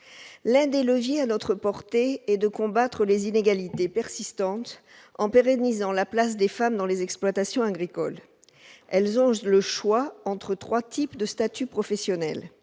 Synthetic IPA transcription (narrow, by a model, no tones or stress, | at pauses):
lɛ̃d̪eləvjeanɔt̪χəpɔʁt̪eɛd̪əkɔ̃bat̪χəlezineɡalit̪epɛʁsist̪ɑ̃t̪ | ɑ̃peʁɛnizɑ̃laplas̬d̪efamd̪ɑ̃lezɛksplwat̪asjɔ̃aɡʁikɔl | ɛlzɔ̃ləʃwaɑ̃t̪χət̪χwat̪ʰipd̪əst̪at̪ypχɔfɛsjɔnɛ̰l